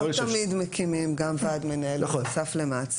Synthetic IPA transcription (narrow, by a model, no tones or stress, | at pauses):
t̪mid̪mekʰimimɡamvadmenaelnsaflemat͡s